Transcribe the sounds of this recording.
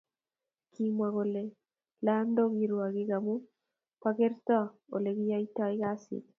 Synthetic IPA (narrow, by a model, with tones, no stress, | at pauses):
kʰimwa˨ɡo˨le˨ | la˦ndo˦ɡi˨ɾwa˨ɡɪ˦ɡa˨mu˦ | paɡe˦rt̪ɔ˦o̰˨le˨ɡi˦ja˦itɔ˦ɪ˦ɡa˦sɪ̰˨k